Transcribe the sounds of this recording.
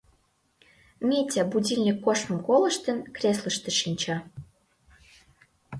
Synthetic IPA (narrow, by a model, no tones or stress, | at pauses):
mʲetʲæbudʲilʲnʲikːoʃmə̆mkolə̆ʃt̪ə̆nkrʲes̬lə̆ʃt̪ĕʃinʲt͡ɕɑ